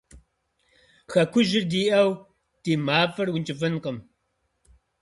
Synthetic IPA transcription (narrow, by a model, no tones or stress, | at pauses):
xɐkʷʰʊʒɪrdiːʔɐw | d̥iːmaːfɐrwʊnt͡ʃʼɪfɨnqəm